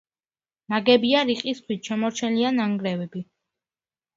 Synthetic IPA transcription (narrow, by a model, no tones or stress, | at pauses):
naɡɛbiaɾiqʼist̪ʰwit̪̚t͡ʃʰɛmɔɾt͡ʃʰɛnlianaŋɡɾɛvɛbi